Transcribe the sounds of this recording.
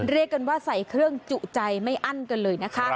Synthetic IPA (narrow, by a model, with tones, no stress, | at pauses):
nɾi˥˩əkːa˧nwaː˥˩sa˩˦jkʰɾɯ˥˩əŋt͡ɕu˨˩ʔt͡ɕa˧jma˥˩jʔa˥˩nka˧nlɤː˧jna˦˥kʰa˦˥ʔ